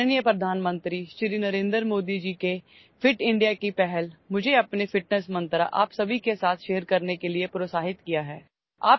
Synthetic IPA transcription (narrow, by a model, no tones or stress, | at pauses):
nijəpɾɐd̪ʱaːnmə̃nt̪ɾiʃɾinɐɾẽːnd̪əɾmoːd̪id͡ʒiːke | fɪʈɪ̃ɳɖijakipɛɦɛlmʊd͡ʒʱeɐpnefɪʈnəsmɐ̃nt̪ɾaʔa̰ːpsɐbʱikesaːt̪ʰʃeːɾkɐɾnekeliepɾoːsaːɦɪt̪kijaɦɛː | aːp̚